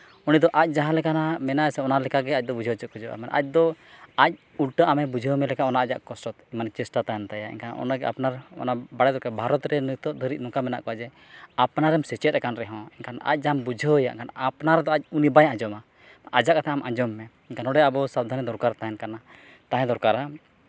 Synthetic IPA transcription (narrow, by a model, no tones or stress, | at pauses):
unid̪ɔʔac̚ˀd͡ʒaɦãlɛkanamɛnaɛsɛɔnalɛkaɡɛac̚d̪ɔbud͡ʒʱət͡ʃət̪̚kɔd͡ʒɔʔa̰mɛnʔa̰c̚d̪ɔac̚ | ulʈəʔamɛbud͡ʒʱəmɛlɛkaʔɔnaʔad͡ʒaʔkɔsɾɔt̪imant͡ʃɛsʈat̪ajɛnt̪ajaʔḭnkʰanɔ̰naɡɛa̰pnaɾɔ̰nabaɽɛd̪ɔkɛbʱaɾɔt̪ɾɛnət̪ɔd̪ʱəɾit̪̚nɔkamɛna̰ʔkɔad͡ʒɛ | apnaɾɛmsɛt͡ʃɛt̪̚ɾɛkanɾɛɦɔ̃ɛnkʰana̰c̚ˀd͡ʒambud͡ʒʱəja̰ʔkʰanapnaɾɛd̪ɔac̚unibajãd͡ʒɔma | ʔad͡ʒaʔkt̪ʰaamʔad͡ʒɔmːɛ | inkʰanɔɖɛabɔsab̚d̪ʱanid̪ɔɾkaɾt̪aɛnkana | t̪aɦɛ̃d̪ɔɾkaɾa